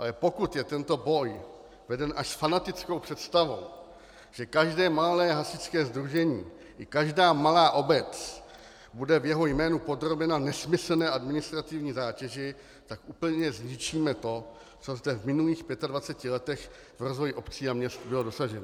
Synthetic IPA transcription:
ʔalɛpo̞kut̪jɛt̪ɛnt̪o̞bo̞j | vɛdɛnʔaʃsfanat̪ɪt͡sko̞wpr̝̥ɛt̪st̪avo̞̰w | ʒ̥ɛkaʒdɛːmalɛːɦasɪt͡skɛːzd̪ɾuʒɛɲḭː | ʔɪkaʒdaːmalaːʔo̞bɛt͡s | budɛvjɛɦo̞jmɛːnupo̞d̪ɾo̞bɛnanɛsmɪsl̩nɛːʔadmɪnɪst̪ɾat̪ɪvɲiːzaːcɛʒɪ | t̪akʔuːpl̩ɲɛzɲɪt͡ʃiːmɛt̪o̞ | t͡so̞zdɛvmɪnuliːxpjɛt̪advat͡sɛcɪlɛt̪ɛx | vɾo̞zvo̞jɪʔo̞pt͡siːamɲɛst̪bɪlodo̞saʒɛn

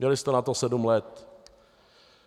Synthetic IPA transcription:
ɲɛlɪst̪ɛnat̪osɛdumlɛt̪

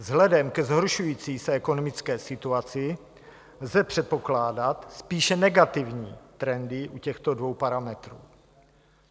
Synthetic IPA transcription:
vzɦlɛdɛmkɛzɦoɾʃujiːt͡siːsɛɛko̞nomɪt͡skɛːsɪt̪uat͡sɪ | lzɛpr̝̥ɛt̪̚po̞klaːdat̪spiːʃɛnɛɡat̪ɪvɲḭːt̪ɾɛndɪʔucɛxt̪odvo̞wpaɾamɛt̪ɾṵː

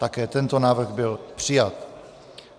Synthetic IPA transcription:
t̪akɛːt̪ɛnt̪o̞naːvr̩ɣbɪlpr̝̥ɪjat̪

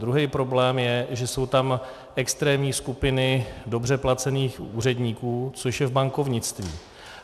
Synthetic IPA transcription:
d̪ɾuɦɛjpɾo̞blɛːmjɛʒɛso̞wt̪am | ʔɛkst̪ɾɛːmɲiːskupɪnɪdo̞br̝ɛplat͡sɛniːxuːr̝ɛdɲiːkuːt͡soʃjɛvbaŋkovɲɪt͡st̪vḭː

